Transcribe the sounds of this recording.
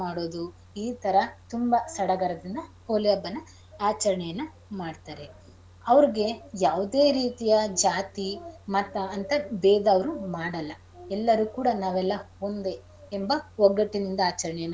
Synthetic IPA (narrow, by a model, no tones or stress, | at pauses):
aːɽo̞ːd̪u | iːt̪ɐɾɐt̪umbɐsɐɽɐɡɐɾɐd̪ind̪ɐhoːlɛjɐbːɐnːɐ | aːt͡ʃɐɾɐɳɛjɐnːɐ | maːɖt̪aːɾe̞ | ɐʋɐɾiɡe̞jaːʋud̪e̞ːɾiːt̪ijɐd͡ʒaːt̪imɐt̪ːɐːnt̪ɐbɛːd̪ɐːʋɐɾumaːɽɐlːɐ | ɛlːɐɾukuːɽɐnaːʋɛlːɐho̞nd̪e̞ː | mbɐɔɡɐʈːinind̪ɐaːt͡ʃɐɾɐɳɛjɐnː